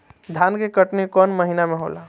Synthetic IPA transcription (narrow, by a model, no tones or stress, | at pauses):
d̪ʱankekəʈnekɔnməɦinamẽɦo̰la